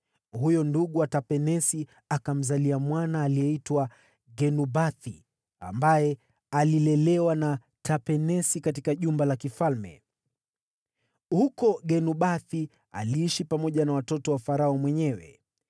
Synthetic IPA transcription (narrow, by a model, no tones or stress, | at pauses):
hujɔnduɠuwatapɛnɛsi | akam̩zaliamwanaːliɛitwa | ɡɛnuɓaθḭ | a̰mbajɛ | alilɛlɛwana | tapɛnɛsikatikaʄumbalakifalmɛ̰ | hukɔɡɛnuɓaθi | a̰liiʃipamɔʄanawatɔtɔwafaɾaɔmwɛɲɛwɛ̰